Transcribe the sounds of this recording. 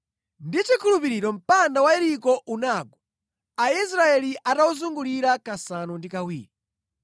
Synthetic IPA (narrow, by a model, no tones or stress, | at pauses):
ndit͡ʃikʰulupiɾiɾɔm̩pandawaɛɾikɔʔunaɡɔ | ais̬ɾaɛliʔatauzuŋɡuliɾakasanundikawḭːɾi